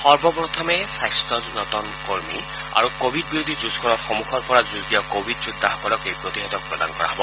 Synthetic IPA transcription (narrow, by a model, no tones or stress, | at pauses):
xɔɹbɔpɹɔt̪ʰɔmɛsajstɹɔzunɔt̪ɔnkoɹmḭ | a̰ɹukobʱid̚biɾod̪ʱizuzkɔɹɔtxɔmuxʰɔɹpɔɹazuzɡijɔkobʱidzud̪ʱːaɦɔkɔlɔkejpɹot̪iɦɔt̪ɔk̚pɹɔd̪a̰nkɔɹa̰ɦɔbɔ